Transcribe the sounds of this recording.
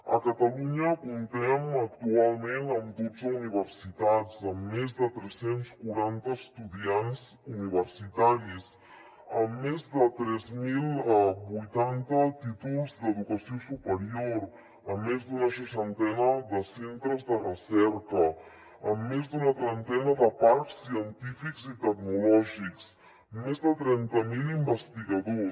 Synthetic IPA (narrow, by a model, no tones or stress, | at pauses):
ə̰kat̪aluɲəkunt̪ɛmək̚t̪ualˠmẽnəmd̪od͡zuniβəɾsit̪at͡səmːezd̪ət̪ɾɛsenskuɾant̪əst̪uðianz | uniβ̞əɾsit̪aɾis | əmːezd̪ət̪ɾɛzmilbujt̪ant̪ət̪it̪ulˠzd̪əðukəsiosupəɾioɾ | əmːezd̪unəʃ̬əʃant̪ɛnəd̪əsent̪ɾəzd̪ərəsɛɾkəː | mːezd̪unət̪ɾənt̪ɛnəðəpaɾksːiənt̪ifikzit̪əknulɔʒiks | mːezðət̪ɾɛnt̪əmilimbəst̪iɣəðo